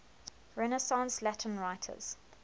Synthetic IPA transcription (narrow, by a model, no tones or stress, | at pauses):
ɹɛnəsɑ̃nslætʰə̃nɹaɪtʰə̰z̥